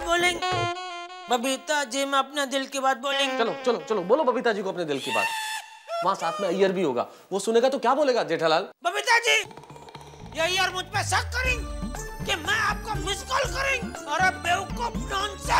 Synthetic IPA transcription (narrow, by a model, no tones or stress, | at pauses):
boːlẽːŋɡ | bɐbiːt̪ad͡ʒiːmɛ̃ɐpned̪ɪlkebaːd̪̚boːlẽːŋɡt͡ʃɐlot͡ʃɐlot͡ʃɐloboːlobɐbʱiːt̪ad͡ʒiːkoɐpned̪ɪlkeba̰ːd̪̚ | ʋɐɦãsaːt̪ʰmẽɐjːəɾbʱiɦoːɡa̰ː | ʋosʊneːɡat̪okjaːboːleːɡaːd͡ʒeːʈʰalaːlbɐbiːt̪ad͡ʒiː | jɐɦiɔːɾmʊd͡ʒʱpesɐkkɐɾẽːɡkemɛ̃aːp̚kamɪskəlkɐɾẽːɡɔːɾɐbːeːʋkopnɔːnse